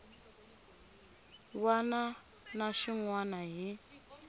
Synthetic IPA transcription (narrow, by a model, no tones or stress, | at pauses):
wana | naʃiŋwanaɦi